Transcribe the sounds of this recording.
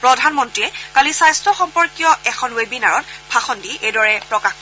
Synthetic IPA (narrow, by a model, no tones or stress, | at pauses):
pɹɔdʱanmɔntɹiɛkalisajstɹɔxɔmpɔɹkijɔɛxʰɔnwebinaɹɔtbʰʱaxɔndiʔejdɔɹɛpɹɔkax